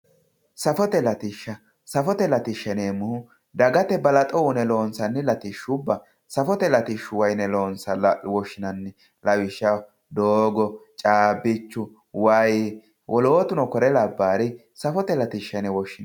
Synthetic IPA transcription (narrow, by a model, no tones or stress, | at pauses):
sɐfɔt̪ɛlɐt̪ɪʃːɐ | sɐfɔt̪ɛlɐt̪ɪʃːɐneːmːʊhʊ | d̪ɐɡɐt̪ɛbɐlɐt̪ʼɔwʊnɛlo̞ːnsɐnːɪlɐt̪ɪʃːʊbːɐ | sɐfɔt̪ɛlɐt̪ɪʃʊwɐjnɛloːnsɐwɔʃːɪnɐnːɪ | lɐwɪʃːɐ | d̪oːɡɔt͡ʃʼaːbɪt͡ʃːʊ | wɐj | wʔɔloːt̪ʊnɔkɔɾɛlɐbːaːɾɪ | sɐfɔt̪ɛlɐt̪ɪʃːɐnɛwɔʃːɪn